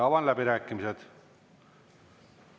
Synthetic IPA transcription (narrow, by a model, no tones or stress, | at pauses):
ɑvɑnlæbiɾæːkˑːimised̪̥